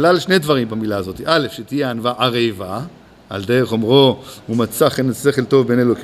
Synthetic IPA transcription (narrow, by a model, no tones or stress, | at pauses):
lalʃnedvaʁimbamilaːzo̞t̪iʔalefʃet̪ijeanvaʔaʁejva | a̰ld̪e̞ʁeχomʁo̞umat͡saχenase̞χelt̪o̞vbe̞neloki